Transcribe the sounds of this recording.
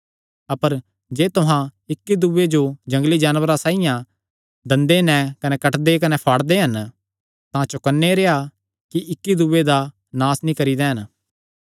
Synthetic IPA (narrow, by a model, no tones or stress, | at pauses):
ɐpəɾ | d͡ʒeːt̪ʊɦãɪkːid̪uːed͡ʒod͡ʒɐ̃ŋɡlid͡ʒaːnʋəɾasaːijã | d̪ɐ̃nd̪enɛ̃kɐnɛkɐʈd̪ekɐnɛpʰaːɽd̪eɦɐn | t̪ãt͡ʃʊkənːeɾeːa | kiʔɪkːid̪uːed̪a | naːsnĩkɐɾid̪eːɦən